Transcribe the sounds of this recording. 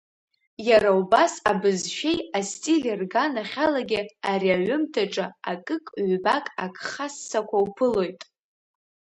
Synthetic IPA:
jaɾaubasabɨzʃᶣe̞jastʼilerɡanaχʲalaɡʲɪaɾiaɥʊmtʰaʈ͡ʂʼɨa̰kʼɨkʼɥʷbakʼakʰʼχasːakʷʰawpʰɨlo̞jtʼ

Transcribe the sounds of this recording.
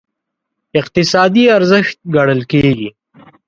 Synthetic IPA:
ɪqt̪ɪsɑːd̪iaɾzəxt̪̚ɡaɽəlkeːɡi

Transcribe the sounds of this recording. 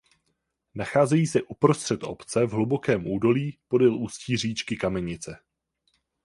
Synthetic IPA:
naxaːzɛjiːsɛʔupɾo̞st̪r̥ɛt̪ʔo̞pt͡sɛvɦlubo̞kɛːmʔuːdo̞liːpo̞dɪlusciːr̝iːt͡ʃkɪkamɛɲɪt͡sɛ

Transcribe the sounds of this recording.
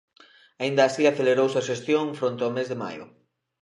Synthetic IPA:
aind̪aːsiaθeleɾowsɐʃ̬est̪joŋfɾont̪eomezðema̰jʊ̰

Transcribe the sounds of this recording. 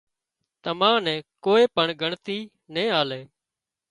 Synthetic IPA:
t̪əmãːnɛ̃ːkoːeːpəɳɡʱəɳt̪iː | nẽːaːleː

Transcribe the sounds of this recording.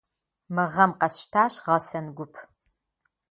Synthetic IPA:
mɨʁɐmqɐsʃtʰaːɕʁɐsɐnɡʷʊpʰ

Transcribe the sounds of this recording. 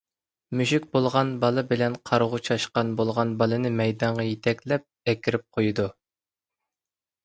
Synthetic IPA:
myʃykʲbolˠʁɑnbɑlˠɨbɪlɛnqʰɑɾʁʊt͡ʃʰɑʃqɑnbolˠʁɑnbɑlˠɨnɨmɛjd̪ɑɴʁɑjet̪ʰɛkʲlɛp̚ɛkʲiɾɪp̚qʰojud̪u

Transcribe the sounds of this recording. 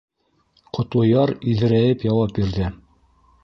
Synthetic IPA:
qʰŏt̪lˠɤ̆jɑɾiðɘ̆ɾæjɘpjɑwɑp̚biɾðɘ

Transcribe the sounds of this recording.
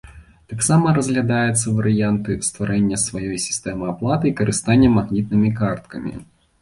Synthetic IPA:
t̪aksamɐɾɐzɣlʲɐd̪ajɛt̪sːɐvɐɾɨjant̪ɨst̪vɐɾʔɛnʲːɐsvɐjɔjsʲɪ̥st̪ɛmɨaplˠat̪ɨikɐɾɨst̪anʲːɐmɐɣnʲit̪̚nɨmʲikart̪̚kɐmʲḭ

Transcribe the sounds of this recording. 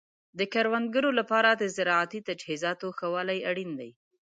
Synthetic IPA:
d̪əkaɾwand̪̚ɡəɾolapɑɾad̪əzɪɾɑat̪it̪ad͡ʒhizɑt̪oxawɑlajaɽind̪aj

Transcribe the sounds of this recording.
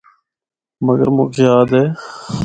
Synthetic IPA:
məɡə̰ɾmṵ̃ːkʰeːaːd̪ɦeː

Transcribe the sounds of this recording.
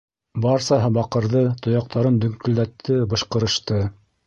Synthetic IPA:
bɑɾsɑɦɤbɑqɤ̆ɾðɤt̪ŏjɑq̚t̪ʰɑɾɤnd̪ɵ̆ŋkɵ̆ld̪æt̪ʰːɘbɤ̆ʃqɤ̆ɾɤ̆ʃt̪ɤ

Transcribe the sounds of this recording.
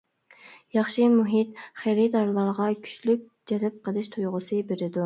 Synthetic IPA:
jɑχʃɨmuɦit̪̚χeɾɪd̪ɑɾlˠɑɾʁɑkʲʰy̥t͡ʃlyk̚ʲ | d͡ʒɛlɪp̚qʰəlˠɨʃt̪ʰojʁʊsɨbeɾɪd̪u

